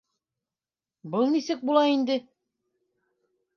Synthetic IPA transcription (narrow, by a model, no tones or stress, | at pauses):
bɤlˠnisɘk̚bulˠɑind̪ɘ